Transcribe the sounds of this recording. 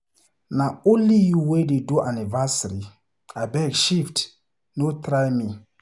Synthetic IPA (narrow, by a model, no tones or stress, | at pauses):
naõnlijuwededuʔanivasaɾi | abɛɡʃift | notɾajmĩ